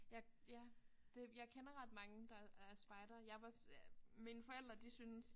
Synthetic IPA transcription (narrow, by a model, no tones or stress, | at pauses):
jɑ̈ɪjæd̥e̝jɑ̈ɪkʰenɐʁɑd̥mɑ̈ŋəd̥ɑ̈æɐsb̥ɑ̈ɪd̥ɐjɑ̈ʋɑsminəfɒ̽el̰d̥ʁɐd̥isyns